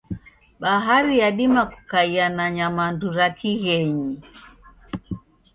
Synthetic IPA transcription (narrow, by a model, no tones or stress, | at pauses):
ɓaɦaɾijaɗimaku̥kaianaɲamanduɾakiɣɛɲi